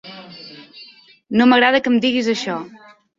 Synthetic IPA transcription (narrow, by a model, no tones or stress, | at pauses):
noməɣɾaðəkəmd̪iɣizəʃɔ